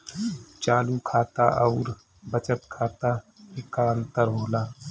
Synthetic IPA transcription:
t͡ʃaːlukʰaːt̪a̰ʔɔʊːɾ | bət͡ʃət̪kʰaːt̪aɪkaːənt̪əɾɦoːlaː

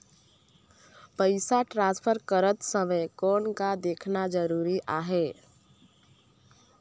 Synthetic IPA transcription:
pəɪsaʈɾãnspʰəɾkəɾət̪səməkɔnkad̪ekʰnad͡ʒəɾuɾiʔaɦe

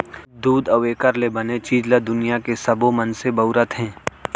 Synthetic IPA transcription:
d̪uːd̪ɔːeːkəɾlebɐnet͡ʃiːd͡ʒlad̪ʊnijakesɐbomɐnsebɐʊɾət̪ɦɛ̃ː

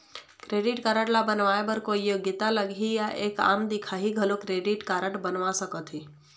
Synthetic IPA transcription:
kɾeːɖɪʈkaɾəʈlabənʋaebəɾkojjoɡət̪aləɡʱijaʔeːka̰ːmd̪ikʰaɦiɡʱəlokɾeɖɪʈkaːɾəʈbənʋasəkət̪ʰɦi

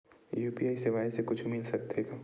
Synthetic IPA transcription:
juːpiaːiseʋaːisekʊt͡ʃʰmɪlsɐk̚t̪eɡa

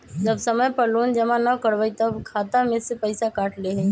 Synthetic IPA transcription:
d͡ʒəbsəməjpəloːnd͡ʒəmãnəkəɾʋəit̪əbkʰaːt̪amẽsepəɪsakaːʈʰleɦẽ

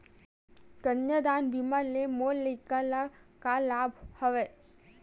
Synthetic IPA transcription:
t̪ənjəd̪aːnbimaɾlemoːlːəikalakalaːbhəʋe

